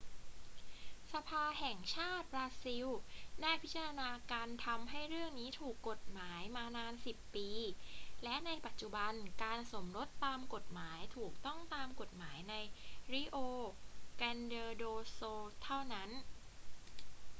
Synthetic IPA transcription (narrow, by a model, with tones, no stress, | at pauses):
sa˧pʰaː˧ɦɛ˨˩ŋt͡ɕʰaː˥˩t̪̚ɾaː˦˧˥si˧wnaː˥˩jpʰi˦˥t͡ɕːa˧ɾa˧naː˧kaː˧nt̪ʰa˧mɦa˥˩jɾɯ˥˩əŋniː˦˥t̪ʰuː˨˩kːo˨˩t̪̚maː˩˦jmaː˧naː˧nsi˨˩pːiː˧lɛ˦˥ʔna˧jpa˨˩t̪̚t͡ɕu˨˩ba˧nkaː˧nso˩˦mɾo˦˥t̪ːaː˧mko˨˩t̪̚maː˩˦jt̪ʰuː˨˩k̚t̪ɔ˥˩ŋt̪aː˧mko˨˩t̪̚maː˩˦jna˧jɾi˦˥˩ʔoː˧kɛː˧ndɤː˧doː˧soː˧t̪ʰa˥˩wna˦˥n